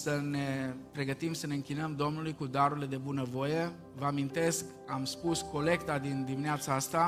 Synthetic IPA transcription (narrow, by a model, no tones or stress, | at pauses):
səne̞pɾe̞ɡət̪imsəne̞ɨŋkʲinəmd̪o̞mnulujkud̪aɾuɾile̞d̪e̞bunəvo̞je̞ | vəamint̪e̞sk | amspusko̞le̞kt̪ad̪ind̪imineat̪saast̪a